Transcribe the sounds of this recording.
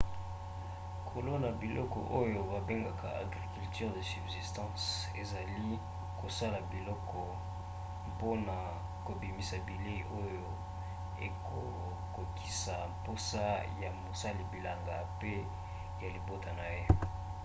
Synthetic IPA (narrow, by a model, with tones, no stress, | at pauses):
kʰo˨lo˦na˨bi˨lɔ˦kɔ̰˨ʔo˦jo˨ba˨be˦ŋɡa˨kʰa̰˨ʔa̰˨ɡʁi˨ky˨lty˦ʁd̪e˨sy˨bzi˨stɑ̃˦s | e˨za˨li˦ | ko˨sa˦la˨bi˨lɔ˦kʰɔ˨ | po˦na˨ | ko˨bi˨mi˨sa˨bi˨le˦i˨ʔo˦jo˦ | e˨kʰo˨ | ko˨ki̥˦sa˨mpo˦sa˦ja˨mo˨sa˦li˨bi˨la˨ŋɡa˨pe˦ | ja˨li˨bo˦ta˨na˨je˦